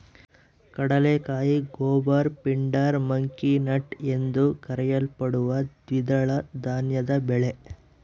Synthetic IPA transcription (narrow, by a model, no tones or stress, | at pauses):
kɐɽɐlekaːjiɡoːbɐɾpiɳɖaːɾmɐŋkinɐʈe̞nd̪ukɐɾɛjɐlpɐɽuʋɐd̪ʋid̪ɐɭɐd̪aːnjɐd̪ɐbɛɭe